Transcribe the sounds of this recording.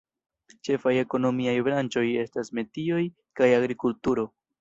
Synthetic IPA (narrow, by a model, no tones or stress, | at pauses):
t͡ʃe̞faje̞ko̞no̞miajbɾant͡ʃo̞je̞stasme̞tio̞j | kajaɡɾikultuɾo̞